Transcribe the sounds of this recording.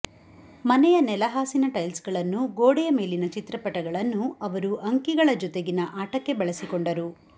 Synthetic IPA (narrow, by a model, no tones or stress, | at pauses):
mɐnɛjɐnɛlɐɦaːsinɐʈɐjlsɡɐɭɐnːuɡoːɽɛjɐme̞ːlinɐt͡ʃit̪ɾɐpɐʈɐɡɐɭɐnːuɐʋɐɾuɐŋkiɡɐɭɐd͡ʒɔt̪eɡinɐʔaːʈɐkːe̞bɐɭɐsikoɳɖɐɾu